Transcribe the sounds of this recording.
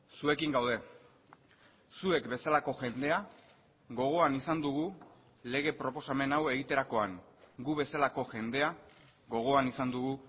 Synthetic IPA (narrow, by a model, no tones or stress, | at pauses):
sue̞kiŋɡawðe̞ | sue̞kbe̞salako̞ʝe̞nd̪e̞a | ɣo̞ɣ̞o̞anisand̪uɣ̞u | le̞ɣ̞e̞pɾo̞po̞same̞nawe̞ɣit̪e̞ɾako̞aŋɡuβe̞salako̞ʝe̞nd̪e̞aɣo̞ɣ̞o̞anisand̪uɣu